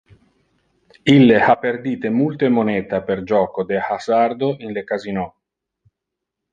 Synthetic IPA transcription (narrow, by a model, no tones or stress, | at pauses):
ilːehapːerd̪iːt̪emult̪emonɛːt̪aperd͡ʒɔːkod̪ehasard̪oʔinlekazinɔ